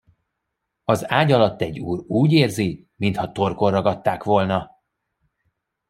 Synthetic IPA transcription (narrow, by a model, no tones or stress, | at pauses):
ɒzaːɟɒlɒt̪ːɛɟːuːruːɟeːrzi | mint̪hɒt̪o̞rko̞rːɒɡɒt̪ːaːkʋo̞lnɒ